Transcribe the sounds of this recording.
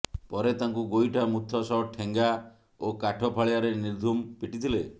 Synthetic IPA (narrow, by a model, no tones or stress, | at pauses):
pɔɾet̪aŋkuɡojʈʰamut̪ʰːɔsɔʈʰeŋɡa | okaʈʰɔpʰaɭiaɾeniɾd̪ʱumpiʈit̪ʰile